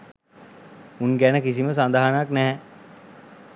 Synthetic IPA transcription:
unɡænəkisiməs̬and̪aɦanaknɛɦɛ

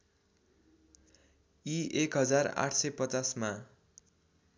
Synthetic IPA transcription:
iekɦʌd͡zara̰ʈʰsʌjpʌt͡sasma

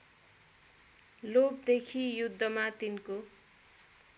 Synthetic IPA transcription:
lop̚d̪ekʰijud̪ʱːʌmat̪inko

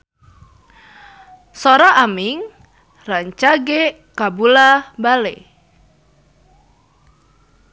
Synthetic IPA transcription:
soɾaʔamiŋ | raɲt͡ʃaɡe | kabulabale

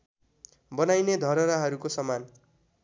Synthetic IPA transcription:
bʌnajned̪ʱʌɾʌɾaɦʌɾukosʌman

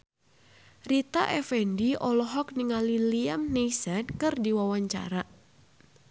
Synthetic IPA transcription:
rit̪a̰ʔɛfɛndiʔɔlɔɦɔk̚niŋaliliamneisankɨrdiwawaɲt͡ʃa̰ɾa

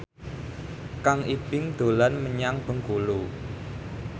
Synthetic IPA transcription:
kaŋʔib̥ɪŋd̪̥o̤lanməɲaŋb̥ə̤ŋkulu

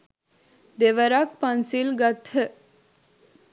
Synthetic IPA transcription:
d̪eʋəɾak̚pɐnsilɡɐt̪ʰə

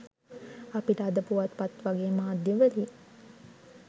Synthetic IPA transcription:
apiʈəad̪əpuʋat̪pat̪ʋaɡeːmaːd̪jəʋəli

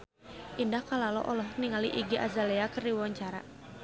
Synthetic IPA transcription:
ʔindahkalalɔ̰ʔɔlɔhniŋaliʔiɡiʔazalɛakərdiwwaɲt͡ʃaɾa̰

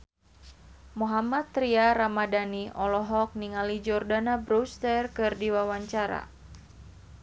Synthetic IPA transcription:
muɦamat̪ːɾiaɾamadaniɔlɔɦɔk̚niŋalid͡ʒɔrdanabɾust̪ərkɨrdiwawaɲt͡ʃaɾa̰

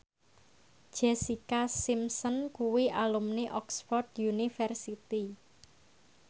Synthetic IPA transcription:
d̥ʒ̥ɛsikasimsɔnkuwiʔalumneʔɔksfɔrd̪junifɛrsit̪i

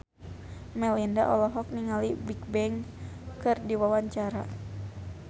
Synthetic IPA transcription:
mɛlinda̰ʔɔlɔɦɔk̚niŋalibik̚bɛŋkɨrdiwawaɲt͡ʃaɾa̰

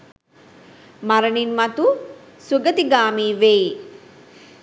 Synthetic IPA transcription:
maɾəɳinmat̪u | suɡət̪iɡaːmiːʋei

